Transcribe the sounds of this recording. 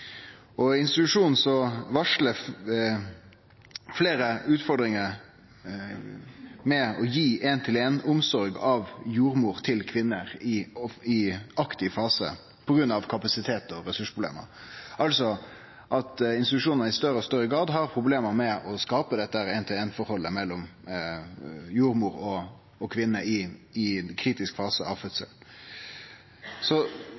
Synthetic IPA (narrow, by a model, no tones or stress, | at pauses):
ɔɪnst̪ɪt̪ʉʂuːnn̩sɔʋɑʂlə | fleːɾəʉːt̪fɔɾd̪ɾɪŋəɾ | mɛɔjiːʔɛnt̪ʰɪleːnʊmsɔɾɡɑʋjuːɾmuːɾt̪ʰɪlkʰʋɪnːəɾɪɪɑkt̪ɪfɑːsə̰ | pʰɔɡɾʉnːɑʋkʰɑpɑsɪt̪ʰeːt̪ɔɾɛsʉʂpʰʁʊb̪lḛːmə̰ɾʔɑlsɔ | ʔɑt̪ɪnsɪt̪ʉʂuːnɑnɪst̪œɾəɔst̪œɾəɡɾɑːʁd̪ɦɑɾpʰɾʊbleːməmɛʔɔskɑːpəd̪ɛt̪ːəhæɾɛːnt̪ʰɪleːnfɔɾhɔlːəmɛlːɔm | juːɾmuːɾɔ | ɔkʰʋɪnːəɪɪkʰɾiːt̪ɪskfɑːsəɑ̰ʋfœt̪sə̰ln | sɔ